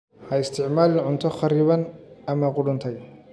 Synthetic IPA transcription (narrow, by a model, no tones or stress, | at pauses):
hɐɪst̪ʰɪʕmaːlɪʕʊnt̪ʰɔχɑɾɪːβɐnɐmɐqʊɽʊnt̪ʰɛj